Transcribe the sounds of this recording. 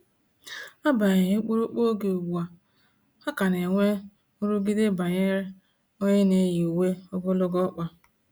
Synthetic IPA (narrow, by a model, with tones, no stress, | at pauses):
a˦ba˨ɲe˨ɲe˦k͡pu˦ɾu˦k͡po˦ɡe˨o˨wu˨a˨ | a˦ka˨ne˨ŋʷe˦ | ʊ˦ɾu˦ɡi˦de˦ba˨ɲe˦ɾe˦ | ɔ˦ɲɪ˦ne˨˦ji˨u˨we˦ɔ˦ɡʊ˦lʊ˦ɡɔ˦k͡pa˦